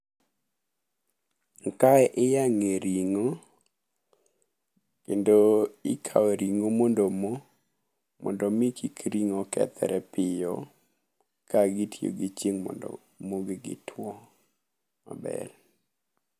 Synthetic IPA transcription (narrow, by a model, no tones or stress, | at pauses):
kaʔɪjaŋeɾiŋo | kendoɪkʰa̰weɾiŋomondomo | mɔ̰ndɔmikʰikɾiŋokɛ̰t̪ʰɛ̰ɾɛpɪjɔ̰ | kʰaɡitʰjo̰ɡit͡ʃiŋmɔ̰ɔ̰ | moɡeɡɪ̰tʰwɔ | ma̰bɛ̰ɾ